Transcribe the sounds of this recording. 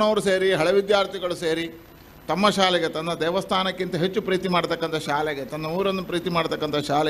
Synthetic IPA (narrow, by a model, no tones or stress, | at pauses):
ɳɐʋɐɾuseːɾiɦɐɭɐʋid̪jaːɾt̪ʰiɡɐɭuseːɾi | t̪ɐmːɐʃaːlɛɡet̪ɐnd̪ɐd̪ɛːʋɐst̪ʰaːnɐkːint̪ɐɦet͡ʃːupɾiːt̪imaːɽt̪ɐkːɐnt̪ʰɐʃaːlɛɡet̪ɐnd̪ɐmuːɾɐnːupɾiːt̪imaːɽt̪ɐkːɐnt̪ʰɐʃaːlɛ